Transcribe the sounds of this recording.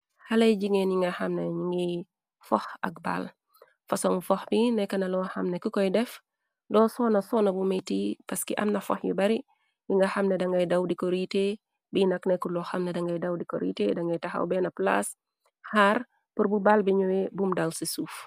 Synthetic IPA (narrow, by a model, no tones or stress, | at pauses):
hɐlɐjɟiŋɛːnjiŋɡɐhɐmnɐɲiŋi | fɔxɐ̰k̚ba̰l | fɐsɔŋfɔxbinɛkːɐnɐlɔwhɐmnɛkikɔjdɛf | dɔːsɔːnɐsɔːnɐbumɐjtiːpɐskiʔɐ̰mnɐfɔ̰xjḭbɐɾi | jiŋɡɐxɐmnɛdɐŋɡɐjdɐwdikɔɾite | binɐknɛkulɔxɐmnɛdɐŋɡɐjdɐwdikɔ̰ɾḭtedɐŋɡɐjtɐxɐ̰wbɛːnɐpla̰s | haːr | puɾbubalbiɲuwibumdawsisuːf